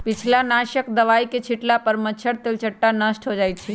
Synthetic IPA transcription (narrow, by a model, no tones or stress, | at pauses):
pɪt͡ʃʰlanaʃəkd̪əʋaiket͡ʃʰiʈlapəɾmət͡ʃʰəɽt̪elt͡ʃʰəʈːanəsʈɦod͡ʒajt̪̚t͡ʃʰi